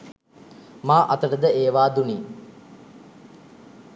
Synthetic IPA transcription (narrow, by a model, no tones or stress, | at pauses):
maːʔɐt̪əʈəd̪əeːʋaːd̪uni